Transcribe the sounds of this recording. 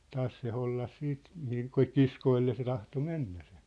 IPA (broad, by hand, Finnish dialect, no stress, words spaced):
tɑːs se holːɑs siːt mihiŋ kŏ kiskoilːe se tɑhto menːæ se̥